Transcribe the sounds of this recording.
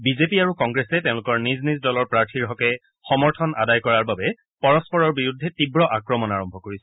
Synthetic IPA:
bizepiaɹukɔŋɡɹesɛtɛ̃ʊ̃lʊkɔɹniznizdɔlɔɹpɹaɹtʰiɹɦɔkɛ | xɔmɔɹtʰɔnʔa̰dajkɔɹaɹbabɛ | pɔɹɔspɔɹɔɹbiɹudʱːɛtibɹɔʔakɹɔmɔnaɹɔmbʱɔkoɹisɛ

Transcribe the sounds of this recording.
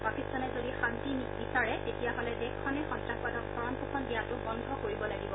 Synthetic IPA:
pakistanɛzodixanti | bisaɹɛtetijaɦɔlɛdɛkʰːɔnɛxɔntɹakadɔk̚sɔɹɔnpukʰɔndijatʊbɔndʱɔkoɹibɔlaɡibɔ

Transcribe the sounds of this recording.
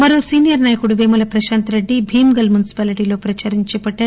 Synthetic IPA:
mɐɾo̞ːsiːnijɐɾnaːjɐkuɽuʋeːmɐlɐpɾɐʃaːnt̪ɾeɖːibʱiːmɡɐlmjunisi̥paːliʈiːlo̞ːpɾɐt͡ʃaːɾiɲt͡ʃɛːpɐʈːaːɾu

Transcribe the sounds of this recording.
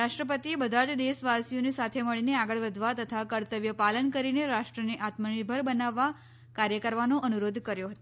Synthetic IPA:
ɾaʃʈɾəp̬ət̪iebəd̪ʱad͡ʒd̪esʋasijonisat̪ʰeməɭineaɡəɭʋəd̪ʱʋat̪ət̪ʰakəɾt̪əʋjəpalənkəɾineɾaʂʈɾəneʔat̪məɳibʱəɾbənaʋːa | kaɾjəkəɾʋanoʔənuɾod̪ʱkəɾjoɦət̪o

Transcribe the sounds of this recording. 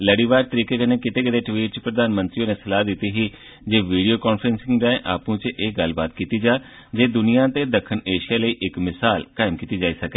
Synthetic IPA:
ləɽiːʋaːɾt̪əɾiːkeːkəneːkɪt̪eːɡəd̪eːʈʋiːʈ̚t͡ʃpɾəd̪aːnmənt̪ɾioːneːsəlaːd̪ɪt̪iːɦiː | d͡ʒeːʋiːɖijoːkɔːnfʰɾənsɪ̃ŋɡɾaːẽʔa̰ːpũːt͡ʃʔeːɡəlba̰ːt̪kiːt̪iːd͡ʒaː | d͡ʒeːd̪ʊnijãːt̪eːd̪əkʰːəneːʃijaːləiːʔɪkmɪsaːlkaːɪmkiːt̪iːd͡ʒaːiːsəkeː

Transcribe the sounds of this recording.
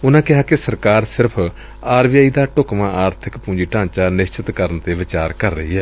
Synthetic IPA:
ʊnãːkɪɦaːkesəɾkaːɾsɪɾpʰ | aːɾʋɪjaːiːd̪aːʈʊkmãːʔaːɾt̪ʰɪkpũːd͡ʒiːʈãːt͡ʃaːnɪst͡ʃɪt̪kəɾənt̪eːʋɪt͡ʃaːɾkəɾːə̰ɦiːɦɛː

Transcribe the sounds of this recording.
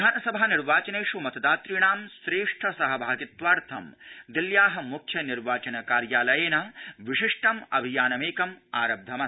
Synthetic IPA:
aːnɐsɐbʱaːniɾʋaːt͡ʃɐneːʂumɐt̪ɐd̪aːt̪ɾiɳaːmsɾeːʂʈʰɐsɐɦɐbʱaːɡit̪ʋaːɾt̪ʰɐ̰md̪iljaːɦɐ̆mukʰjɐniɾʋaːt͡ʃɐnɐkaːɾjaːlɐjeːnɐʋiʂiʂʈɐmɐ̰bʱijaːnɐmeːkɐmaːɾɐb̚d̪ʱɐmɐ

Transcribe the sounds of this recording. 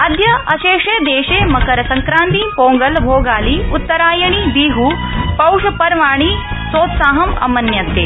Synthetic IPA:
ɐd̪ʱjɐʔɐʃeːʂed̪eːʃeːmɐkɐɾɐsɐŋkɾaːnt̪ipoːŋɡɐlbʱoːɡaːliut̪ːɐɾaːjɐɳib̪iːɦu | pɐwʂɐpɐɾʋaːɳi | soːt̪saːɦɐmɐ̰mɐnjɐt̪ːḛː

